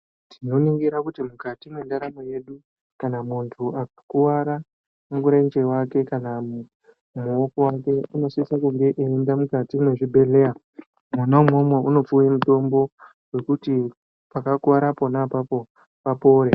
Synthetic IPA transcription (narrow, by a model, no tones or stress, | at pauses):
tʰino̞niŋɡiɾakutimukatimwe̞ndaɾamoje̞ɗu | kanamuntʰuakḁkuwaɾa | muŋɡuɾaind͡ʒewake̞kanamu | muo̞kowake̞uno̞siisakuŋɡe̞ʔeːndamukatimwe̞ʐibʱe̞ɮe̞ja | manamomweuno̞p͡fujemuto̞mbo̞ | we̞kuti | pakakuwaɾapo̞napapo | papo̞ːɾe